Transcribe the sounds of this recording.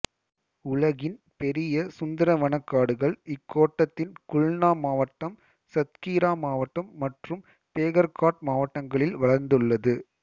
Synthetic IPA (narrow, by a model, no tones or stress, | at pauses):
ʊɭɐɣɪn | pɛɾɪjɐsʊnd̪ɐɾɐʋɐɳɐkːaːɽɯɣɐɭɪkːoːʈːɐt̪ːɪnkʊɭnaːmaːʋɐʈːɐm | sɐt̪kiːɾaːmaːʋɐʈːɐmːɐʈrɯm | peːɣɐɾkaːʈ̚maːʋɐʈːɐŋɡɐɭɪlʋɐɭɐɾnd̪ɯɭːɐðɯ